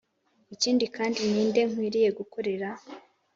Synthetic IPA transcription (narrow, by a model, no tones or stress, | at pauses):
iciːndikaːndiniːnde̞ŋ̥wiːɾije̞ɡuko̞ɾe̞ɾa